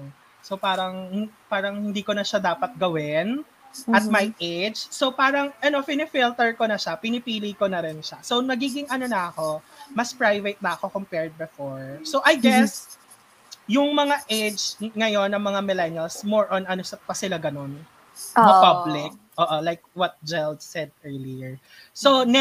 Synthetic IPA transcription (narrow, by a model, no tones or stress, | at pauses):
so̞paːɾɐŋhɪpaːɾɐŋhɪnd̪iːkonɐʃad̪aːpɐt̪̚ɡɐwɪn | ʔɐt̪̚majʔed͡ʒso̞paːɾɐŋʔɐno̞fɪnɪfilt̪ɛɹkonɐʃapɪnɪpiːlijkonɐɾɪnʃaso̞wnɐɡiːɡɪŋʔɐno̞nɐɐko̞mɐspɹajvɛt̪̚nɐɐko̞kompɛɹd̪̚bɛfoɹsoʔɐjɡɛs | jʊŋmɐŋaʔejd͡ʒŋɐjo̞nːɐŋmɐŋamɪlɛnjɐlsmoɹʔɔnʔɐnosɐpɐsɪlaɡɐno̞n | ɐpɐblɪk̚ʔoːʔolajk̚wɐt̪̚d͡ʒɛld̪sɛd̪̚ɛɹliɛɹ | son